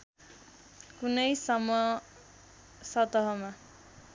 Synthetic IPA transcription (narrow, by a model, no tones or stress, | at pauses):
kunʌjsʌmʌ | sʌt̪ʌɦʌma